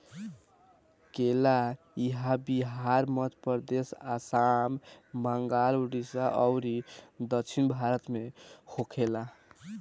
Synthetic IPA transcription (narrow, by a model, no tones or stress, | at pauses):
kela | iɦabiɦaɾmət̪ʰpəɾd̪esasambəŋɡaluɽisaʔʌwɾid̪əkt͡ʃʰinbʱaɾət̪mehokʰela